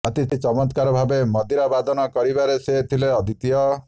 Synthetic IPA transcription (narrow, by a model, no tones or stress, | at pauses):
ɔt̪it̪ʰit͡ʃɔmɔt̪kaɾɔbʱabemɔd̪iɾabad̪ʱɔnɔkɔɾibaɾeset̪ʰileɔd̪ʱit̪ijɔ